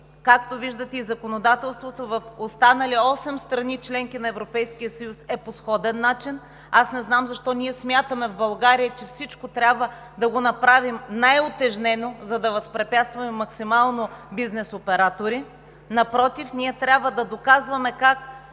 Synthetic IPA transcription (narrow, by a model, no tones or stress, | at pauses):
kakt̪oviʒd̪ət̪ɛizɐkonod̪at̪ɛlˠst̪vot̪ovɐfost̪anɐlʲiɔsɛmst̪ɾɐnit͡ʃlɛŋk̟inɐɛvɾopɛjskijəsɐjusɛposxɔd̪ɛnːat͡ʃin | asnɛznamzɐʃt̪ɔniɛsmʲjat̪əmɛvbɐlˠɡaɾijət͡ʃɛfsit͡ʃkot̪ɾʲabvə | d̪ɐɡonɐpɾavimnajot̪ɛʒnɛnozɐd̪ɐvɐspɾɛpʲjat̪st̪vɐmɛmːɐksimalˠnobiznɛsopɛɾat̪oɾi | nɐpɾɔt̪ifniɛt̪ɾʲabvəd̪ɐd̪okazvɐmɛkak